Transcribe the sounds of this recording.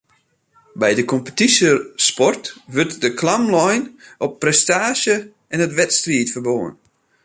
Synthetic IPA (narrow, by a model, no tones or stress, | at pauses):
bɛjdəkʰɔmpə̥tisəspɔrtʋɵrtdəkʰlamlɔjnɔpːrɛstaːʃjə | ɛnətʋɛtstriətfərboːə̰n